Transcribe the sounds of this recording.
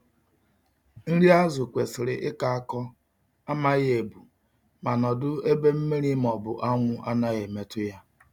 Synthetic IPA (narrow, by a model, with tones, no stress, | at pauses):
n̩˦ɾi˦a˦zʊ˨kʷe˨sɪ˨ɾɪ˨ʔɪ˦ka˨a˦kɔ˦ | a˦ma˦ɣe˨bu˨ | ma˨nɔ˨dʊ˦e˦be˦m̩˦me˦ɾi˦m˨ɔ˨bʊ˨ʔa˦ŋʷʊ˦a˦na˦ɣe˨me˦tʊ˦ja˦